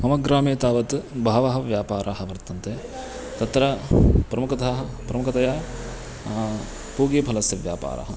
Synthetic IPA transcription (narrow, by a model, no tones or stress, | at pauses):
mɐmɐɡɾaːmeːt̪aːʋɐt̪bʱaːʋɐɦɐ̆ʋjaːpaːɾʔaːɦɐʋɐɾt̪ɐnt̪e | t̪ɐt̪ɾɐpɾɐmukɐt̪ɐɦɐpɾɐmukɐt̪ɐjaː | puːɡeːpʰɐlɐsjɐʋja̰ːpa̰ːɾa̰ːɦɐ̰